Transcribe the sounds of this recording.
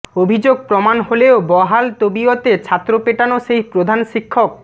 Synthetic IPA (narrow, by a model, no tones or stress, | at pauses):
obʱid͡ʑoɡ̚pɾomanholeobɔɦalt̪obiot̪et͡ɕʰat̪ːɾopeʈanoʃejpɾod̪ʱanʃikʰːok̚